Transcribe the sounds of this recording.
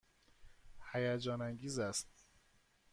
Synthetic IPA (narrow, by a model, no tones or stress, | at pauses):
hæjæd͡ʒɒːnæŋɡiːzæst̪